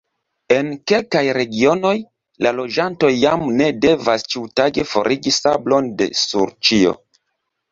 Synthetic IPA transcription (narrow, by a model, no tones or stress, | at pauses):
e̞nke̞lkajɾe̞ɡio̞no̞j | lalo̞d͡ʒanto̞jːamne̞de̞vast͡ʃiutaɡefo̞̰ɾʔiɡisablo̞nde̞̰sṵɾt͡ʃio̞̰